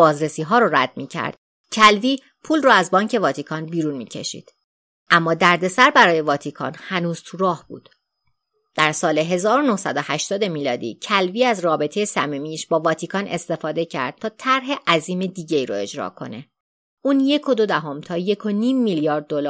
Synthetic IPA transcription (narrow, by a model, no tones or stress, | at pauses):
bɒːzɾe̞siːɦɒːɾoɾæ̰d̪̚miːcʰæ̰ɾd̪̥ | cʰælviː | pʰuːlrɔːæzbɒːɲcʰe̞vɒːt̪ʰikʰɒnbiːɾunmḭːcʰe̞̰ʃḭːd̪̥ | ʔæmːɒːd̪æɾd̪e̞sæɾbæɾɒːje̞vɒːt̪ʰikʰɒ̰ːnhænuːz̥t̪ʰuɾɒːhb̥ṵːd̪̥ | d̪̥æɾsɒːle̞ɦe̞zɒːɾono̞hsæd̪ohæʃt̪ɒːd̪e̞miːlɒːd̪ḭːcʰælviːæzrɒːbe̞t̪ʰe̞jesæ̰mimiːʃbɒːvɒːt̪ʰikʰɒːnʔe̞̰st̪e̞fɒːd̪e̞cʰæ̰ɾd̪̥̚t̪ʰɒːt̪ʰæɾɦe̞ʔæziːmed̪iːɟe̞iːɾoe̞d͡ʒɾɒ̰ːkʰo̞̰ne | uːnje̞kʰod̪od̪æɦo̞mt̪ʰɒːje̞kʰo̞niːmːiljɒːɾd̪̚ːolː